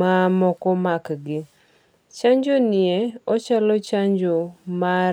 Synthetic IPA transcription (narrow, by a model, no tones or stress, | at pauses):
amɔkɔmakɡɪ | t͡ʃaɲd͡ʒonɪeɔt͡ʃalɔt͡ʃaɲd͡ʒoma